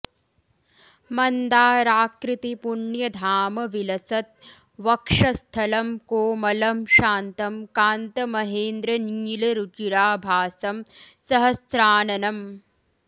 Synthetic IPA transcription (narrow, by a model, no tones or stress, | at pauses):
mɐnd̪aːɾaːkɾit̪ipuɳjɐd̪ʱaːmɐʋilɐsɐt̪̚ | ʋɐkʂɐst̪ʰɐlɐmkoːmɐlɐmʃaːnt̪ɐmkaːnt̪ɐmɐɦeːnd̪ɾɐniːlɐɾut͡ʃiɾaːbʱaːsɐmsɐɦɐsɾaːnɐnɐm